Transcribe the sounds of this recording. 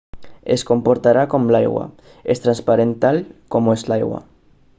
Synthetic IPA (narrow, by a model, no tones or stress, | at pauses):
esko̞mpo̞ɾt̪aɾakomlajɣwa̰ | est̪ɾanspaɾent̪alkomoezlajɣwa̰